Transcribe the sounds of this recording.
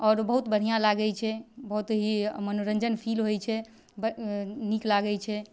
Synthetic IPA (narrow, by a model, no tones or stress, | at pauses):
ɔɾbəɦut̪bəɽ̤ijãlaɡɛjt͡ʃʰɛbəɦut̪ɦimənoɾənd͡ʒənpʰilɦojt͡ʃʰɛ | bniklaɡɛt͡ʃʰɛ